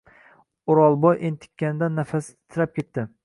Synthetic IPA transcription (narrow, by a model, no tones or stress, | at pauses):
ʊɾɒlˠbɒjʔent̪ʰɪ̥kʲːanɪd̪anːafas | t̪ʰɪɾap̚kʲʰe̞t̪ːɪ